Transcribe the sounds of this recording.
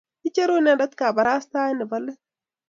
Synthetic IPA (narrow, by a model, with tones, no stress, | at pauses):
ɪ˦t͡ʃːe˦ɾo˦nadɐ˦t̪kaː˨bɐ˨ɾaː˦st̪aː˦ɪ˦nɛ˨bɐlːe˦